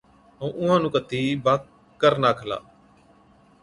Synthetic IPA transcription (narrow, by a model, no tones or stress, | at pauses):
əũːʔʊãːnũːkət̪ːiːbaːk | kːəɾnaːkʰla̰ː